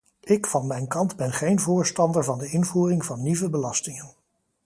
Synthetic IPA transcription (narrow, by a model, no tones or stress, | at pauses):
ɪkfɑnmɛjnkɑndbɛnχejnvʊːɹstɑndəɹvɑndəɪnvuːrɪŋvɑnːivəbəlɑstɪŋən